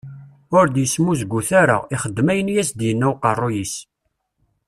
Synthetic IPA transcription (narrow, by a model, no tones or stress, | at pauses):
ʊɾd̪jəsmuzɡʷːuθæɾə̰iχəd̪ːmæjənjæsd̪jənːæwqərˤːojis